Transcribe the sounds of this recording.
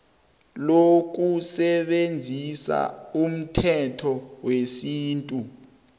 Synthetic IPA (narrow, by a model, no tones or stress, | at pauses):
lok̬usɛɓend͡zʱisa̰um̩tʰɛtʰɔwesiːntʼu